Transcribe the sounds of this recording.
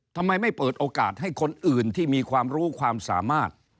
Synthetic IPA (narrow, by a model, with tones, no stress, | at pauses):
t̪ʰa˧mːa˧jma˥˩jpɤː˨˩t̪̚ʔoː˧ka̰ː˨˩t̪̚ɦa˥˩jkʰo˧nʔɯː˨˩nt̪ʰiː˥˩miː˧kʰwaː˧mɾuː˦˥kʰwaː˧msa̰ː˩˦maː˥˩t̪̚